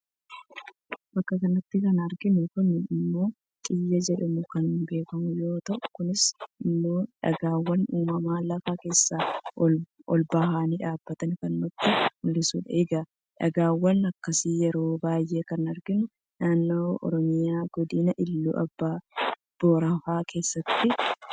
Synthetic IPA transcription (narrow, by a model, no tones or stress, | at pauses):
bɐkːɐkɐnɐt̪ːɪkɐnɐɾɡɪnʊkʊnʊɪmːo̞ː | t̪ʼɪjːɐd͡ʒɛᶑʊmʊkɐnmbe̞ːkɐmʊjo̞ːt̪ɐʔʊkʊnɪsɪmːo̞ːᶑɐ̰ɡaːwːɐnuːmɐmaːlɐfaːke̞ːsːaː | ɔlbɐhaːniᶑaːb̥ːɐt̪ɐnkɐnmʊt̪ːɪmʊlːɪsṵːᶑɐ̰eːɡɐ | ᶑɐ̰ɡaːwːɐnɐkːɐsiːjɛɾo̞ːbaːjʔe̞ːkɐnɐɾɡɪnʊ | naːnːo̞ːɔ̰ɾɔmɪjaːɡ̥ɔd̪ɪːnɐʔɪlːṵːʔɐ̰bːaː | b̥oːɾɐfaːkʰe̞ːsːɐt̪ːɪ